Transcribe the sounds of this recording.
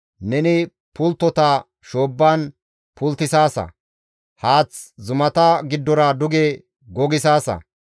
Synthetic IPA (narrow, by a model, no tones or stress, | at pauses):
nɛnɪ | pʊlt̪ːɔt̪ɐ | ʃoːbːaːn | pʰʊlt̪ːɪsaːsɐ̰ | haːt͡szʊmɐt̪ɐɡɪd̪ːɔɾɐd̪ʊɡɛ | ɡɔɡɪsaːsɐ̰